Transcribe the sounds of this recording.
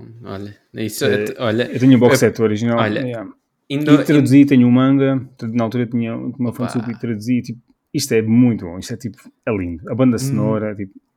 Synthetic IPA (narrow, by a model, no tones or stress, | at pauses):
ɔ̰ʎɐ | isɔʎɐewt̪ɛɲɐubɔksɛt̪ɔɾiʒinalɔʎɐjɛ | ĩit̪ɾɐd̪uzit̪ɛɲumɐ̃ŋɡɐt̪ɾɐnɐalˠt̪uɾɐet̪iɲɐumɐfõnsupit̪ɾɐðuzit̪ip̚u̥ | iʃt̪ɛmũj̃t̪uβõ̰iʃt̪ɛt̪ipu̥ɛlˠĩnd̪uɐβɐ̃nd̪ɐssnɔɾɐɛt̪ipu̥